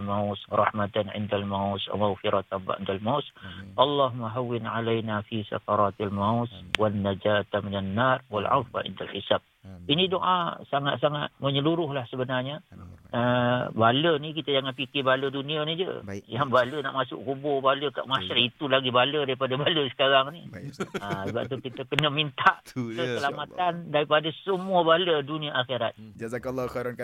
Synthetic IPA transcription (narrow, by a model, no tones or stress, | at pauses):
lmawsrˤɑ̰hmat̪anʕɪ̰ndalmawsa̰maɣfiɾat̪amba̰ʔɪ̰ndalmasʔɑlːɑɦumːaɦawːɪnʕalajnafisa̰kɑɾˤɑt̪almawswanːad͡ʒaːt̪minanːarwalʕa̰fa̰ʕɪ̰ndalħisab̚inidoʔasaŋat̪̚saŋat̪̚məɲəluɾʊɦlahsəbənarɲaəbalənik̬it̪ad͡ʒaŋanpikebalədunianid͡ʒə̰jaŋbaləna̰ʔmasʊ̰ʔkubobaləka̰ʔmasaɾit̪ulaɡibalədaɾipadabaləsə̥kaɾaŋniəsəba̰ʔt̪ukit̪əkənəmint̪aʔkəkəlamat̪andaɾipadasəmuəbaləduniaʔːxeɾat̪̚d͡ʒlːɾ